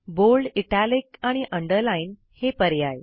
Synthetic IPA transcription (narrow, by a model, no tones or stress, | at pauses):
bolɖiʈalikaɽ̃iʔəɳɖəɾlain | hepəɾjaj